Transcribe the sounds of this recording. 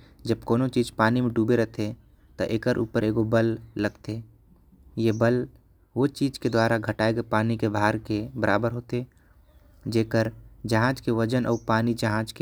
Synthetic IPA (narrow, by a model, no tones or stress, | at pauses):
d͡ʒəb̚koːnõt͡ʃiːd͡ʒpaːnimẽɖuːbeɾɛɦt̪ʰe | t̪o̰ʔeːkəɾʔṵːpəɾʔeːɡobəlːɐɡt̪eː | jebəl | ʋot͡ʃiːd͡ʒked̪waːɾaɡʱəʈaːeɡepaːnikebʱaːɾkebəɾʔaːbəɾɦoːt̪e | d͡ʒeːkəɾd͡ʒɐɦãːd͡ʒkeʋəd͡ʒənʔɔ̰ːɾpaːnid͡ʒɐɦãːd͡ʒke